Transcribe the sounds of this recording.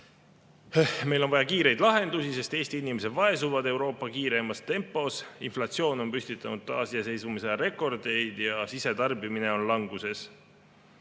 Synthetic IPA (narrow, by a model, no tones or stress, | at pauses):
me̞jlo̞nvɑjɑkiːɾe̞jd̪lɑɦe̞nd̪̥usise̞st̪e̞ːst̪iinime̞se̞d̪̥vɑe̞suvɑd̪e̞wɾo̞ːpːˑɑkiːɾe̞mɑst̪e̞mpːˑo̞sinflɑt̪sio̞ːno̞npysʲt̪it̪ːˑɑ̰nud̪̚t̪ːɑːsijɑse̞jsvumiseɾe̞kˑo̞rd̪̥e̞jd̪̥jɑsise̞t̪ɑrbimine̞o̞nlɑŋɡ̥use̞s